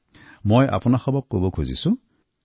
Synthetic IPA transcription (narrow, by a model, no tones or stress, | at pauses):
mojʔa̰pʊnaxɔbɔkːobɔkʰuzḭsʊ̃